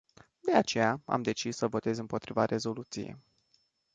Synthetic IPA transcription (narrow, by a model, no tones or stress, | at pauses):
d̪e̞at͡ʃe̞jaa̰md̪e̞t͡ʃisːəvo̞t̪e̞zɨmpo̞t̪ɾivaɾʔe̞zo̞lut̪sijḛj